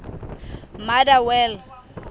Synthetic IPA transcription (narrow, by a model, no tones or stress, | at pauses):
madawɛl